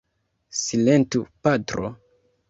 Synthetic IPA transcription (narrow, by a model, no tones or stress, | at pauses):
silentupatɾo̰